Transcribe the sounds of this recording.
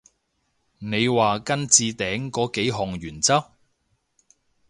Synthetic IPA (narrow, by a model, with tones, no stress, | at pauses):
ne˨˧jwaː˨kɐ˥nt͡siː˧t̪ɛː˨˥ŋkɔː˨˥ke˨˥jɦɔ˨˩ŋjyː˨˩nt͡sɐ˥p̚